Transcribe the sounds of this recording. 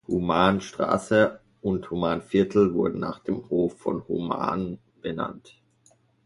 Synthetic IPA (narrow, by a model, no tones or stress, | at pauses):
humaːnʃtʁ̥a̰ːsə | ʊnthumaːnfɪɐtʰl̩vʊɐdn̩na̰ːχd̥eːmhoːfːɔ̰nhuma̰ːn | b̥əna̰nt